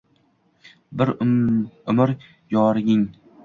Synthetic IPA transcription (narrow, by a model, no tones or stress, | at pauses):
bɪɾ | ʊmɪɾ | jɒːɾɪɡʲɪŋ